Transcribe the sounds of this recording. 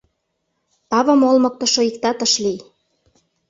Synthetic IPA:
t̪ɑβɤ̆molmɤ̆k̚t̪ɤ̆ʃŏikt̪ɑt̪ɤ̆ʃlij

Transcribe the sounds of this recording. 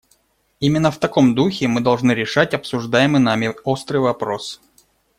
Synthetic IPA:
imʲɪnːəft̪ɐko̞md̪uxʲɪmɨd̪ɐlˠʐnɨɾʲɪʂatʲɐpsʊʐd̪ajɪmɨnamʲɪost̪ɾɨjvɐpɾo̞s

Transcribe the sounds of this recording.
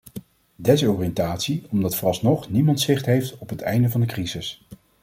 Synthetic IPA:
dɛsɔːriɛntaːtsiɔmdɑtfrɑsnɔχnimɑntsɪχtɦejftɔpɦətɛ̰jndəvɑndəkrizɪs

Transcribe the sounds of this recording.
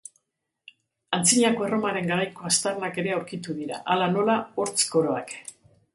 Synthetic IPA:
ant͡siɲako̞e̞ro̞maɾe̞ŋɡaɾajko̞ast̪arnake̞ɾe̞awɾkit̪uðiɾa̰ʔalano̞lao̞ɾt͡sko̞ɾo̞ak

